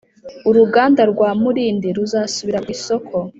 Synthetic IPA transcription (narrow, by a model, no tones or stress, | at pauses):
uɾuɡaːndaɾɡwaːmuɾiːndiɾuzasuβiɾaɡwiso̞kʰo̞